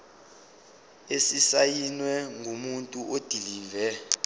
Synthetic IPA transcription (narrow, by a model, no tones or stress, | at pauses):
esisajinwɛŋʱumuntʼuʔod̥ʱiliːvɛ